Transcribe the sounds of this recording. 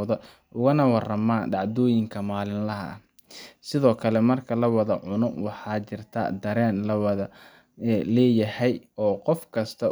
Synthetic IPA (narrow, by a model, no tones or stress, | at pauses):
ðɐ | ʔʊɣɐnɐwɑrɐmaːɖɑʕd̪ɔːjɪŋkʰɐmaːlɪnlɐɦɐ̰ | sɪðɔːkʰɐlɛmɐrkʰɐlɐwɐðɐʕʊnʊwɑħɑːt͡ʃɪrt̪ʰɐ̰d̪ɐɾɛːnlɐwɐðɐ | lɛːjɐhɛjɔːqɔfkʰɐst̪ʰɐ